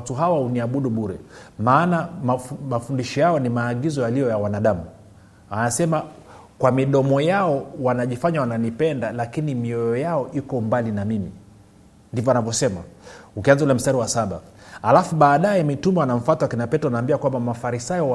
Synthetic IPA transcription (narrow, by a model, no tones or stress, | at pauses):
tuɦawauniaɓuɗuɓuɾɛmaːnammafundiʃɔjaɔnimaːɠizɔjalijɔjawanaɗamu | anasɛma | kwamiɗɔmɔjaɔwanaʄifaɲawananipɛndalakinimiɔjɔjaɔʔikɔmbalinamimḭ | ndivɔanavjɔsɛmaukianzaulɛm̩staɾiwasaɓa̰ | alafuɓaːɗajɛmitumɛanaɱ̩fatwakinapɛtɔanaːmbiakwambamafaɾisajɔ